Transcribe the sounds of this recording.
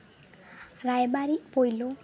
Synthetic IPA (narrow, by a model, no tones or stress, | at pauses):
ɾajbaɾipojlo